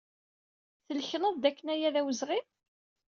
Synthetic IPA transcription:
θəlçənəðˤd̪ækːənæjæðæwəzʁim

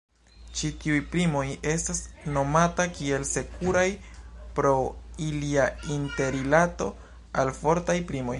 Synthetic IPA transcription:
t͡ʃitiujpɾimo̞je̞stasno̞matakie̞lse̞kuɾajpɾo̞iliainte̞ɾilato̞ | alfo̞ɾtajpɾimo̞j

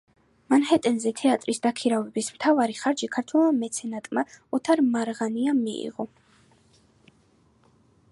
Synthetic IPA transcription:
manhɛt̪ʼɛnzɛt̪ʰɛat̪ʼɾisd̪akʰiɾavɛbismt̪ʰavaɾiχaɾd͡ʒikʰaɾt̪ʰwɛlˠmamɛt̪sʰɛnat̪ʼmaɔt̪ʰaɾmaɾʁaniamiḭʁɔ

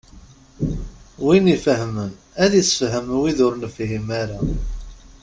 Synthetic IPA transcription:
winifəɦmən | æðisfɦəmwiðʊɾnfɦimaɾa

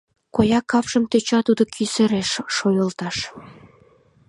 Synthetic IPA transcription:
kojɑkːɑpʃəmt̪et͡ɕɑt̪ud̪okʰysəɾeʃːojəlt̪ɑʃ

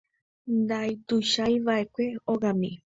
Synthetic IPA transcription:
nd̪ajt̪uʃajβaekʷeoɡami

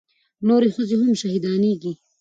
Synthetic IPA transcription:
noːɾixəziɦʊmʃɐɦid̪ɑːniːɡi

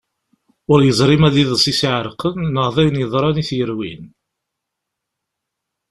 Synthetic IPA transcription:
ʊɾjəzˤɾˤɪmæðiðˤəsˤisiʕɾqənːəʁðˤijnjəðˤɾˤɑniθjəɾwḭn

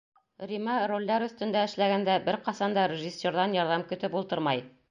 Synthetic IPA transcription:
rʲimɑrolʲːɑɾɵ̆θt̪ɵ̆nd̪æɘ̆ʃlæɡænd̪æbɘɾqɑsɑnd̪ɑɾʲɪʒisʲːoɾðɑnjɑɾðɑmkɵ̆t̪ɘpulˠt̪ɤɾmɑj

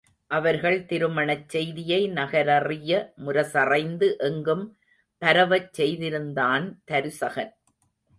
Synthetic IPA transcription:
ʔɐʋɐɾɣɐɭt̪ɪɾɯmɐɳɐt͡ʃːɛjðɪjɐɪnɐɣɐɾɐrɪjɐmʊɾɐsɐrɐɪnd̪ɯʔɛŋɡɯm | pɐɾɐʋɐt͡ʃsːɛjðɪɾɯnd̪aːnt̪ɐɾɯsɐɣɐn

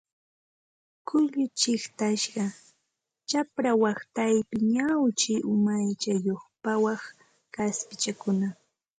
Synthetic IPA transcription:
kʊʎʊt͡ʃɪχt̪aʃɢɑ | t͡ʃapɾawɑχt̪ajpɪɲawt͡ʃɪʔʊmajt͡ʃajoχpawɑχ | kaspɪt͡ʃakʊna

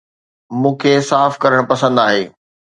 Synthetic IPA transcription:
mũːkʰesaːfkɐɾəɽ̃pɐsə̃nd̪aːɦeː

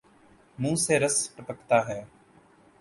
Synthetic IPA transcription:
mũːseːɾəspɾəpəkʰt̪aːɦɛː

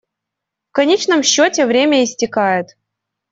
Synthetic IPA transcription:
fkɐnʲet͡ɕnəmɕːotʲɪvɾʲemʲəɪsʲtʲɪkajɪt̪

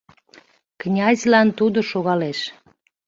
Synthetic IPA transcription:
knʲɑzʲlɑnt̪ud̪oʃoɣɑleʃ

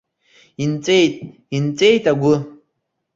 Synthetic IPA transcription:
int͡sʼet̪̚ | int͡sejt̪aɡʷu

